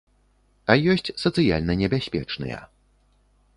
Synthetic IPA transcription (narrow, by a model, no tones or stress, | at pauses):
ɐjɔsʲt͡sʲsɐt̪sɨjalʲnɐnʲɛbʲasʲpʲɛt͡ʂnɨ̰jɐ̰